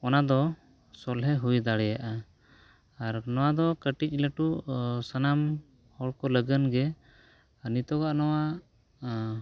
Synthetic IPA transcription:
ɔnad̪ɔ | sɔlɦɛɦujd̪aɽɛjaʔa | aɾnɔwad̪ɔkəʈic̚ˀləʈuʔsanam | hɔɽkɔləɡənɡɛ | nit̪ɔɡaʔnɔwa

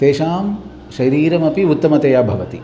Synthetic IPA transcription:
t̪eːʃaːm | ʃɐɾiːɾɐmɐpiut̪ːɐmɐt̪ɐjaːbʱɐʋɐt̪i

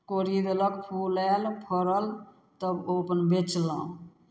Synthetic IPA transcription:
koɾid̪ləkpʰulɛlpʰəɾəl | t̪əbopənbet͡ʃla

